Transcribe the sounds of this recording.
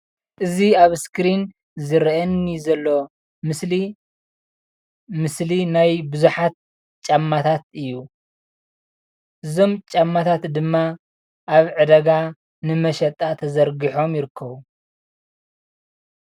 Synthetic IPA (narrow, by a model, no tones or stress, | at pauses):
ʔɨziaβskɾin | zɨɾʔɐnːizɐlːo̞ | mɨsli | mɨslinajbɨzuħat̪̚ | t͡ʃʼamːat̪ʰat̪̚ɨjːu | ʔɨzo̞mt͡ʃʼamːat̪ʰat̪d̪ɨmːa | ʔaβʕɨd̪ɐɡa | nɨmɐʃɐt̪ʼat̪ʰɐzɐɾɡiħo̞mjɪɾɨkʰːɐβu